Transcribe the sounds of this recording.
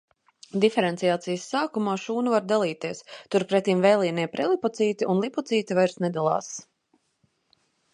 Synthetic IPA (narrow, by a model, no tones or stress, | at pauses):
d̪ifɛɾɛnt̪sijaːt̪sijəsːaːkumaːʃuːnuvaɾd̪alˠiːt̪iɛst̪uɾpɾɛt̪ːimvɛjlʲˠiːnɛpɾɛlˠipɔt̪siːt̪iʔunlˠipɔt̪siːt̪ivajɾsnɛd̪alˠɑ̰ːs